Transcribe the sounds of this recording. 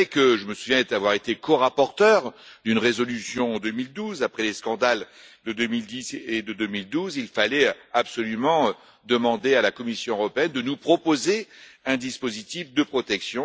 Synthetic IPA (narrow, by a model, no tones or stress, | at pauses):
ɛkəʒəməsuvjɛ̃d̪avwaʁet̪ekɔʁapɔʁt̪œʁd̪ynʁezɔlysjɔ̃d̪ømild̪uzapχɛleskɑ̃d̪ald̪əd̪ømild̪ised̪əd̪ømild̪uzilfalɛabsɔlymɑ̃ | d̪əmɑ̃d̪ealakɔmisjɔ̃øʁɔpeɛnd̪ənupχɔpozeɛ̃d̪ispozit̪ifd̪əpχɔt̪ɛksjɔ̃